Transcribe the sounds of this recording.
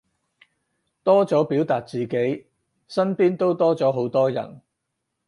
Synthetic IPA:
t̪ɔː˥t͡sɔː˨˥piː˨˥wt̪aː˨t̚t͡siː˨ke˨˥j | sɐ˥npiː˥nt̪o˥wt̪ɔː˥t͡sɔː˨˥ɦo˨˥wt̪ɔː˥jɐ̰˨˩n

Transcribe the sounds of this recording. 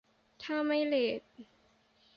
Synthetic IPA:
t̪ʰaː˥˩ma˥˩jleː˨˩t̪̚

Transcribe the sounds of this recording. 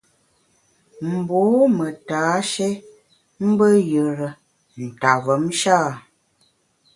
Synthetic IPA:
m̩˨boː˨˦mə˨taː˨˦ʃe˦ | m̩˦bə˦jə˨ɾə˨ | n̩˨ta˨və˨˦mʃaː˦˨

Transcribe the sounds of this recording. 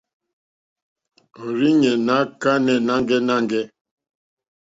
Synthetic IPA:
o˨ɾi˦ɲɛ˨na˨˦ka˦nɛ˨na˦ŋɡɛ˦na˦ŋɡɛ˦

